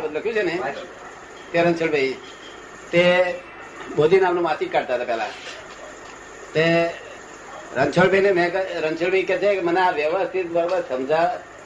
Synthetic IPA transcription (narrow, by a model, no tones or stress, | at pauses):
bəd̪ləkʰjũt͡ʃʰene | t̪eɾə̃nt͡ʃʰəɭbʱəi | t̪e | boːd̪ʱinaːmnũmaːsɪkːaɽt̪at̪apɛːla̰ | t̪e | ɾə̃nt͡ʃʰəɭbʱeinemɛ̃kɾə̃nt͡ʃʰəɭbʱəikɛt͡ʃʰeməneaʋjəʋəst̪ʰɪt̪̚bəɾobəɾsəmd͡ʒa